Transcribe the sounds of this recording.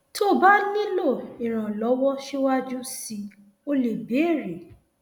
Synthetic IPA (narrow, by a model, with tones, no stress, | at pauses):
to˦˨ba˦nĩ˦lo˦˨i˨ɾ̃ã˨lɔ˨˦wɔ˦ʃe˦wa˦d͡ʒu˦si˧ | o˧le˨be˨˦˨ɾe˨